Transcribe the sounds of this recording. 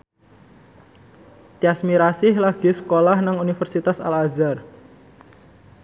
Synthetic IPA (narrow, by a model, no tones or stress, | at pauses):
t̪iasmiɾasɪhlaɡ̥isəkolahnaŋunifərsit̪asa̰lazar